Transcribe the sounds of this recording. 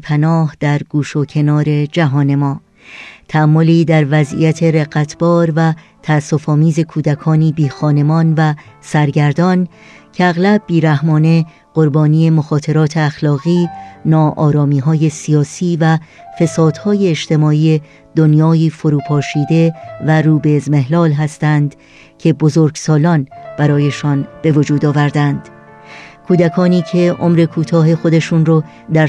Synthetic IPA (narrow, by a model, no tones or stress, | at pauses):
pʰænɒːhd̪̥æɾɡuːʃocʰe̞nɒːɾe̞d͡ʒæɦɒːne̞mɒː | t̪ʰæːmːoliːd̪æɾvæzʔḭjæt̪ʰe̞ɾeɣæt̪ʰb̥ɒːɾvæ | t̪ʰæːsːo̞fɒːmiːze̞kʰuːd̪ækʰɒːniːbiːxɒːne̞mɒːnvæsæɾɟæɾd̪ɒn | cʰe̞æɣlæb̚ːiːɾæhmɒːne̞ | ɢ̥o̞ɾbɒːniːe̞moxɒːt̪ʰe̞ɾɒːt̪ʰe̞æxlɒːɣiːnɒːʔɒːɾɒːmiːɦɒːje̞sijɒːsiːvæ | fe̞sɒːd̪̥hɒːje̞ːʃt̪e̞mɒːiːe | d̪̥o̞njɒːiːfoɾuːpʰɒːʃiːd̪e̞væɾuːbe̞ːzme̞ɦlɒːlɦæst̪ænd̪ | cʰe̞bo̞zoɾɡsɒːlɒːnb̥æɾɒːje̞ʃɒnb̥e̞vo̞d͡ʒuːd̪ɒːvæɾd̪ænd̪̥ | kʰuːd̪ækʰɒːniːcʰe̞ʔo̞mɾe̞kʰuːt̪ʰɒːɦe̞xod̪e̞ʃuːnɾɔː | d̪æ